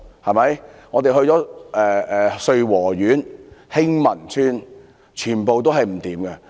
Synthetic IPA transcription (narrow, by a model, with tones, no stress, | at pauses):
hɐ˨jmɐ˨˥jŋɔ˨˧t̪e˨˧ɦɵ˧t͡ʃɔː˨˥ɛː˨ɛː˨sɵ˧ɥwɔː˨˩ɥyː˨˥nhɪ˥ŋmɐ˨˩ntʰyː˥n | t͡ʃʰyː˨˩npo˨wt̪̬o˥wɦɐ˨jm̩˨˩t̪iː˨˥mɡɐ˧